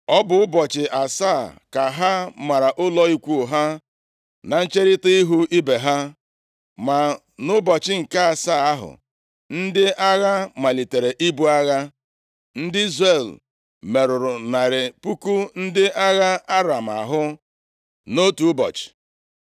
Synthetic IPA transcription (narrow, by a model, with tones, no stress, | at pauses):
ɔ˦bʊ˨˦ʊ˦bɔ˨t͡ʃɪ˨ʔa˨sa˦˨ka˨ɦa˦ma˨ɾa˨ʔʊ˦lɔ˦i˦kʷu˦˨ɦa˦ | na˨n̩˦t͡ʃe˦ɾɪ˦tɪ˦i˦ɦu˦ʔi˦be˨ɦa˦ | ma˨ | nʊ˦bɔ˨t͡ʃɪ˦ŋ̩˨ka˦a˨sa˦˨a˦ɦʊ̰˨ | n̩˦dɪ˦ʔa˦ɣa˦ma˨li˨te˨ɾe˨ʔi˦bu˦a˦ɣa˦ | n̩˦dɪ˦i˦zɾe˨l | me˨ɾʊ˨ɾʊ˨na˨ɾɪ˨pu˦ku˦n̩˦dɪ˦a˦ɣa˦a˦ɾa˨m̩˨a̰˨ɦʊ˦ | no˦tu˨˦bɔ̰˨t͡ʃɪ̥˨